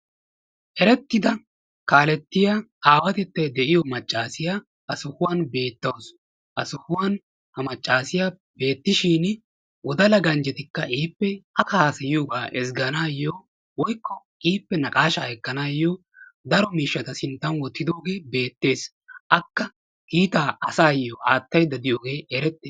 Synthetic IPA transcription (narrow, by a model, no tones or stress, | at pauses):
ʔɛɾɛt̪ːɪd̪ɐ | kaːlɛt̪ːɪjaːaːwɐt̪ɛt̪ːɐjd̪ɛʔɪjɔmɐt͡ʃʼːaːsɪjaː | ʔɐsʊhʊwanbe̞ːt̪ːɐws | ʔɐsʊhʊwɐn | hɐmɐt͡ʃʼːaːsɪjaː | be̞ːt̪ːɪʃiːn | wɔd̪ɐlɐɡɐnd͡ʒɛt̪ɪkːɐʔiːpːɛɐkɐhaːsɐjɪjoːɡaːʔɛsɡɐnaːjːoː | wɔjkːɔ | iːpːɛnɐkʼaːʃɐɛkːɐnaːjːoː | d̪ɐɾɔmiːʃːɐt̪ɐsɪnt̪ːɐnwɔt̪ːɪd̪o̞ːɡe̞ːbe̞ːt̪ːe̞ːs | ʔɐkːɐ | kiːt̪aːɐsaːjːɔʔaːt̪ːɐjd̪ɐd̪ɪjoːɡe̞ːɛɾɛt̪ːeːs